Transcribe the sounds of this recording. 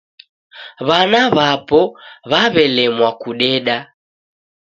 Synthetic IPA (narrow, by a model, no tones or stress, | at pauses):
βanaβapɔβaβɛlɛmwakuɗɛɗa